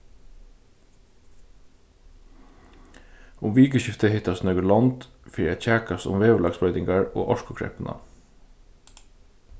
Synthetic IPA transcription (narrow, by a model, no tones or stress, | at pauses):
ʊmʋiːkəʃɪft̪əhɪt̪ɑsnœɡəlɑnd̪̥ | fiːɛ̰çæːkɑsʊ̰mʋeːʋəlɑɡsbœʏd̪ɪŋɡɑɹo̰ːʔɔʃkʊkʰɹɛ̰pənʔɑ̰